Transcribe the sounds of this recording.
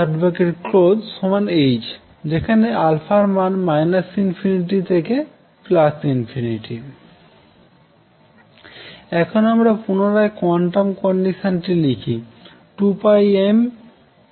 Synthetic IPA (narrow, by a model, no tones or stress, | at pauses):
aɖbokeʈklodsomanejd͡ʑ | d͡ʑekʰanealfʰaɾmanmajnasinfʰiniʈ̬it̪ʰeke | plasʈinfʰiniʈi | ɛkʰonamɾapunoɾaekɔɳʈamkɔɳɖiʃonʈilikʰi | ʈupajem